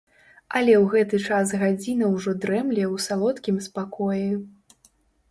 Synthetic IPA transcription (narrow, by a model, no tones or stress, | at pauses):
ɐlʲɛwɣɛt̪ɨt͡ʂas̬ɣad͡zʲinɐwʐɔd̪ɾɛmlʲɛwsalˠɔt̪kʲimspakɔjɛ